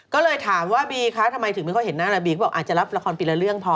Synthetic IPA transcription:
kɔː˥˩lɤː˧jt̪ʰaː˩˦mwaː˥˩biː˧kʰa˦˥t̪ʰa˧mːa˧jt̪ʰɯ˨˩˦ma˧kʰɔ˥˩ɦe˩˦nːaː˥˩ɾa˧˩biː˧kɔ˥˩bɔ˨˩ʔaː˨˩t̚t͡ɕa˨˩la˦˥p̚la˧kʰɔː˧npiː˧la˧˥ɾɯ˥˩əŋpʰɔ˧˦

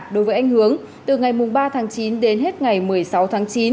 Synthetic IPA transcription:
ɗo˨˦jvəː˨˦jʔa˧jŋ̟hɨ˨˦əŋ | t̪ɨ˨˩ŋa˨˩jmʊ˨˩ŋ͡mɓaː˧t̪ʰaː˨˦ŋt͡ɕi˨˦nɗe˨˦nɦe˦˥t̚ŋa˨˩jmɨ˨˩əjsa˨˦wt̪ʰaː˨˦ŋt͡ɕi˨˦n

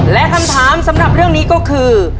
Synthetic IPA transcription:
lɛ˦˥kʰa˧mt̪ʰaː˨˦˥msa˨˦mɾa˨˩p̚ɾɯ˥˩əŋniː˦˥kɔː˥˩kʰɯː˧

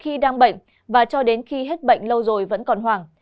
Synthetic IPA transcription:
xi˧ɗaː˧ŋɓə̰˧˨ŋ̟ | vaː˨˩t͡ɕɔ˧ɗe˨˦nxi˧ɦe˦˥t̚ɓə̰˧˨ŋ̟lə˧wzo˨˩jvə̰˧˥nkɔ˨˩nɦwaː˨˩ŋ

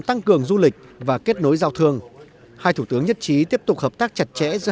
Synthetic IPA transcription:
t̪a˧ŋkɨ˨˩əŋzu˧lï˨˩k̟̚vaː˨˩ke˦˥t̚no˨˦jzaː˧wt̪ʰɨ˧əŋ | haː˧jt̪ʰu˧˩t̪ɨ˨˦əŋɲə˦˥t̚t͡ɕi˨˦t̪i˦˥əp̚t̪ʊ˨˩k͡p̚həː˨˩p̚t̪aː˦˥k̚t͡ɕa˨˩t̚t͡ɕɛ̰˧˥z̰

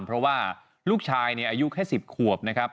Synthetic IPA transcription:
mpʰɾɔ˦˥waː˥˩ | luː˥˩k̚t͡ɕʰaː˧jni˥˩ʔaː˧ju˦˥kʰɛː˥˩si˨˩p̚kʰu˨˩əp̚na˦˥kʰɾa˦˥p̚

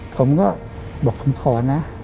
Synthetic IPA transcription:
pʰo˧˦mkɔː˥˩ | bɔː˨˩k̚kʰo˧˦mkʰɔː˧˦na˦˥

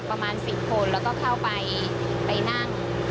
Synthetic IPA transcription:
pːɾa˧maː˧nsi˨˩p̚kʰo˧nlɛː˦˥wkɔː˥˩kʰa˥˩wpa˧j | pa˧jna˥˩ŋ

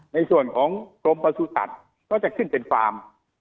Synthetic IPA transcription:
na˧jsu˨˩ənkʰɔː˩˦ŋkɾo˧mpa˧suː˧˥sa̰˨˩t̪̚ | nʰɔː˥˩k̚t͡ɕa˨˩kʰːɯ˥˩npe˧nfaː˧m

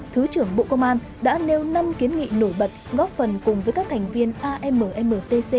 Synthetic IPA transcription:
t̪ʰɨ˨˦t͡ɕɨ˧˩əŋɓo̰˧˨kə˧wŋ͡mʔaː˧n | ɗa̰ː˧˥ne˧wna˧mki˨˦ənŋḭ˧˨no˧˩jɓə˨˩t̚ɣɔ˦˥p̚fə˨˩nkʊ˨˩ŋ͡mvəː˨˦jkaː˦˥k̚t̪ʰŋ̟vi˧ənʔaː˧ʔɛ˧məː˨˩ʔɛ˧məː˨˩t̪e˧se˧

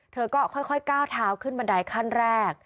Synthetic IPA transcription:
t̪ʰɤː˧kɔː˥˩kʰɔ˥˩jkʰɔ˥˩jkaː˥˩wt̪ʰaː˨˦˥wkʰɯ˥˩nma˧nda˧jkʰa˥˩nɾɛː˥˩k̚

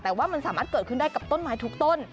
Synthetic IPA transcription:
t̪ɛː˨˩waː˨˦˥ma˧˨˩nsaː˨˩˦maː˦˥t̚kəː˨˧˩t̚kʰɨ˧˨nɗa˧jka˨˩p̚t̪o˧nmaː˨˩˦jt̪ʰu˨˩˦k̚t̪o˧n

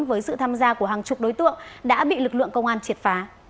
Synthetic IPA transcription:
nvəː˨˦jsɨ̰˧˨t̪ʰaː˧mzaː˧ku˧˩əɦaː˨˩ŋt͡ɕʊ˨˩k͡p̚ɗo˨˦jt̪ɨ̰˧˨əŋɗa̰ː˧˥ɓḭ˧˨lɨ˨˩k̚lɨ̰˧˨ŋkə˧wŋ͡mʔaː˧nt͡ɕi˨˩ət̚faː˨˦

